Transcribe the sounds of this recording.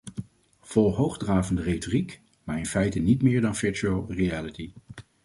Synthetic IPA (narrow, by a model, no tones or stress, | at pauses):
v̥ɔlˠɦowχdraːvəndərejtɔrik | maːɹɪnfɛjtənitmɪːɹdɑnvɪɹt͡ʃuəlˠriæləti